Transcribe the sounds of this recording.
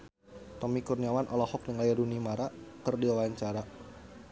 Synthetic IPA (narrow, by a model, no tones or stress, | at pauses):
t̪ɔmikurniawanʔɔlɔhɔk̚nəŋlajadunimaɾakərdiwawaɲt͡ʃaɾa